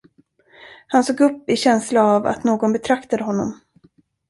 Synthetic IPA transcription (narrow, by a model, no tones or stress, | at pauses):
hansoːɡɵpːɪɕɛnslaːva̰t̪noːɡɔnbɛt̪ʰɾakt̪ad̪əɦɔnːɔ̰m